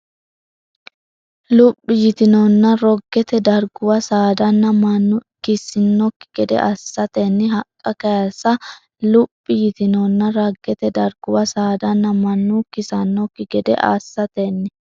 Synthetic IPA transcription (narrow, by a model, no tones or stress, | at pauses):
lʊpʼːɪjɪt̪ɪnonːɐɾɔɡːɛt̪ɛd̪ɐɾɡʊwɐsaːd̪ɐnːɐmɐnːʊkɪsɪnːɔkːɪ̥ɡ̥ɛd̪ɛ̰ʔa̰sːɐt̪enːɪɦɐkʼːɐkɐjasɐ | lʊpʼːɪjɪt̪ɪnonːɐɾɐɡːɛt̪ɛd̪ɐɾɡʊwɐsaːd̪ɐnːɐmɐnːʊkɪsɐnːɔkːɪɡɛd̪ɛ̰ʔa̰ːsːɐt̪enːɪ